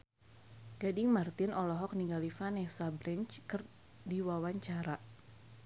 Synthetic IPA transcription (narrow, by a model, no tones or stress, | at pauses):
ɡ̥adɪŋmart̪ɪnɔlɔɦɔk̚niŋɡalifanɛsabɾɛnt͡ʃkɨr | diwawaɲt͡ʃaɾa